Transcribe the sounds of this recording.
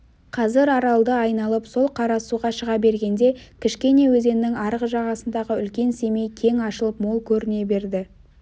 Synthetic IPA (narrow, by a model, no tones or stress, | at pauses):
qʰɑzɪɾɑɾɑlˠd̪əɑjnɑlˠəpso̞lˠqʰɑɾɑsuʁɑʃəʁɑbe̞ɾɡʲe̞nd̪e̞kʲʰɪʃkʲe̞ne̞wɵze̞nːɪŋɑɾəʁəʒɑʁɑsənd̪ɑʁəʏlkʲe̞nse̞me̞jkʲʰe̞ŋɑʃəlˠəpmo̞lˠkʲʰɵɾɪne̞be̞ɾd̪ɪ